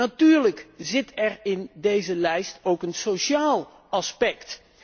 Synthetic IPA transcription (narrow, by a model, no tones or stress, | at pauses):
atyːɹləkzɪtɛɹɪndejzəlɛjstowkənsoʃaːlˠ | ɑspɛkt